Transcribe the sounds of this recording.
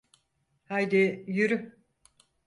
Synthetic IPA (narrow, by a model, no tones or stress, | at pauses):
hajd̪ijyɾy